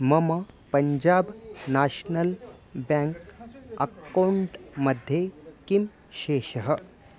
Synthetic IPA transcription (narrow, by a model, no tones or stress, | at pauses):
mɐmɐpɐɲd͡ʑaːbnaːɕnəlbãŋkɐkawɳʈmɐd̪ʱjekim | ʃeːʃəɦə